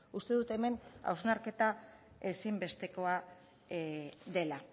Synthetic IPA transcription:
ust̪e̞ðut̪e̞me̞na̰wznaɾke̞t̪a | e̞simbe̞st̪e̞ko̞a | ðe̞la

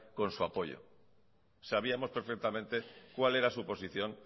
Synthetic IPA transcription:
ko̞nsuapo̞ʎo̰ | saβ̞iamo̞spe̞ɾfe̞k̚t̪amẽ̞nt̪e̞kwale̞ɾasupo̞siθjõ̞ŋ

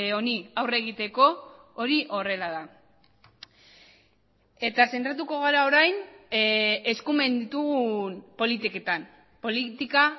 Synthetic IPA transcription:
o̞niawre̞ɣ̞it̪e̞ko̞ | oɾiʔo̞re̞laða | e̞t̪ase̞nt̪ɾat̪̬uko̞ɣ̞aɾao̞ɾajn | e̞skume̞nd̪it̪uɣunpo̞lit̪ike̞t̪am | po̞lit̪ika

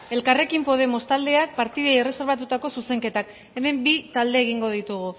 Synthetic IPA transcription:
e̞lkare̞kimpo̞ð̞e̞mo̞st̪ald̪e̞ak̚paɾt̪iðaire̞se̞ɾβat̪ut̪ako̞suse̞ŋke̞t̪ak | e̞me̞mbit̪ald̪e̞ːɣiŋɡo̞ð̞it̪uɣ̞u

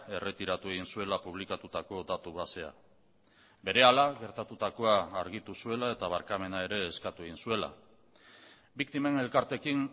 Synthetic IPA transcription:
e̞re̞t̪iɾat̪ue̞ɣ̞insue̞lapuβ̞likat̪ut̪ako̞d̪at̪uβase̞a̰ | be̞ɾe̞alaɣe̞ɾt̪at̪ut̪ako̞aːɾɣit̪usue̞lae̞t̪aβaɾkame̞nae̞ɾe̞ːskat̪ue̞ɣinsue̞la̰ | bik̚t̪ime̞ne̞lkaɾt̪e̞kin

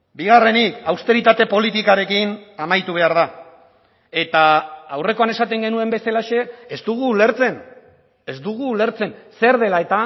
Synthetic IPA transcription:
biɣ̞are̞nikawst̪e̞ɾit̪at̪e̞po̞lit̪ikaɾe̞kinamajt̪uβ̞e̞aɾð̞a | e̞t̪aːwre̞ko̞ane̞sat̪e̞ŋɡe̞nue̞mbe̞selaʃe̞ːzd̪uɣ̞uːle̞ɾt͡se̞n | e̞zd̪uɣ̞uːle̞ɾt͡se̞nse̞ɾðe̞lae̞t̪a

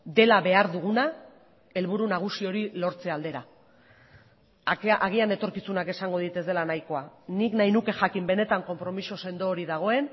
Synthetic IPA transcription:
d̪e̞laβe̞aɾðuɣ̞una | e̞lβuɾunaɣ̞usio̞ɾilo̞ɾt͡se̞ald̪e̞ɾa | ʔaɣ̞iane̞t̪o̞ɾkisunake̞saŋɡo̞ð̞it̪e̞zd̪e̞lanajko̞aniknajnuke̞ʝakimbe̞ne̞t̪aŋko̞mpɾo̞misose̞nd̪o̞ːɾiðaɣ̞o̞e̞n

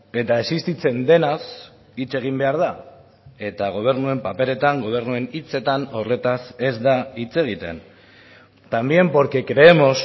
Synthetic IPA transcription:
e̞t̪ae̞sist̪it͡se̞nd̪e̞nas | it͡se̞ɣ̞imbe̞aɾða | e̞t̪aɣ̞o̞β̞e̞ɾnue̞mpape̞ɾe̞t̪aŋɡo̞β̞e̞ɾnue̞nit͡se̞t̪ano̞re̞t̪ase̞zd̪ait͡se̞ɣ̞it̪e̞̰n | t̪ambje̞mpo̞ɾke̞kɾe̞emo̞s

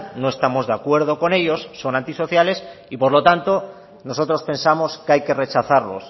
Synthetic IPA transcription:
no̞est̪amo̞zðe̞akwe̞ɾð̞o̞ko̞ne̞ʎo̞sːo̞nãnt̪iso̞θjale̞sipo̞ɾlo̞t̪ant̪o̞ | no̞so̞t̪ɾo̞spe̞nsamo̞skajke̞re̞t͡ʃaθaɾlo̞̰s

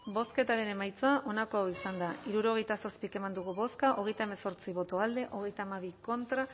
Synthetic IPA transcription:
bo̞ske̞t̪aɾe̞ne̞majt͡soaʔo̞nako̞awisand̪aiɾuɾo̞ɣe̞jt̪aso̞spike̞mand̪uɣ̞uβo̞skaʔo̞ɣ̞e̞jt̪aeme̞so̞ɾt͡siβo̞t̪o̞ald̪e̞ʔo̞ɣ̞e̞jt̪aːmaβ̞iko̞nt̪ɾa

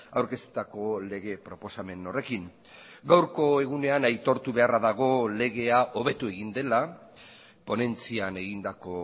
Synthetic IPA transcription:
awɾke̞st̪u̥t̪ako̞le̞ɣe̞pɾo̞po̞same̞no̞re̞kiŋ | ɡawɾko̞e̞ɣ̞une̞anajt̪o̞ɾt̪uβe̞araðaɣ̞o̞le̞ɣ̞e̞aʔo̞βe̞t̪ue̞ɣ̞ind̪e̞la | po̞ne̞nt͡siane̞ɣind̪ako̞

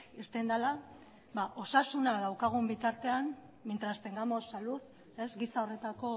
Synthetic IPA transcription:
iɾt̪e̞nd̪ala | baʔo̞sasunaðawkaɣ̞umbit̪aɾt̪e̞an | mint̪ɾaspe̞ŋɡamo̞sːaluθ | e̞zɣisao̞re̞t̪ako̞

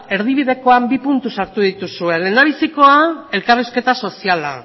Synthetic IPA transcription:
e̞ɾðiβ̞iðe̞ko̞ambipunt̪usaɾt̪uðit̪usue̞le̞naβ̞isiko̞ae̞lkariske̞t̪aso̞siala̰

